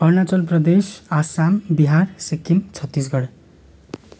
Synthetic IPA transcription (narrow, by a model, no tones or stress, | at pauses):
ʌrnat͡sʌlprʌd̪esasambiɦarsekːimt͡sʰʌt̪ːis̬ɡʌɽ